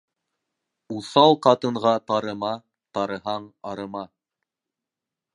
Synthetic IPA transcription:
uθɑlˠqɑt̪ɤ̆ɴʁɑt̪ɑɾɤ̆mɑ | t̪ɑɾɤ̆ɦɑɴɑɾɤ̆mɑ

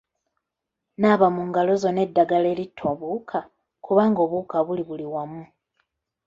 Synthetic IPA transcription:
naːβamuːŋɡalo̞zo̞ne̞dːaɡale̞ːlitʰːo̞ːβuːkʰa | kʰuβaːŋɡo̞βuːkaβuliβuliwamu

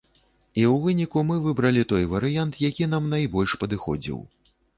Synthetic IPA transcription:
iwvɨnʲikumɨvɨbɾɐlʲit̪ɔjvɐɾɨjant̪jakʲinamnajbɔlʲʂpɐd̪ɨxɔ̰d͡zʲḭw

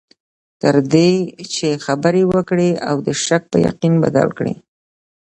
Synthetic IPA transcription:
t̪əɾd̪et͡ʃexabəɾewəkɽeawd̪əʃak̚pəja̰qinba̰d̪a̰lkɽḛ

